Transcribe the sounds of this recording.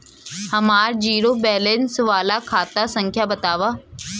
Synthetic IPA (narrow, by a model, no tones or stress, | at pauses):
hɐmaːɾd͡ʑiːɾoːbɛːleːnsʊʋaːlakʰaːt̪asə̃ŋkʰjaːbɐt̪aːʋaː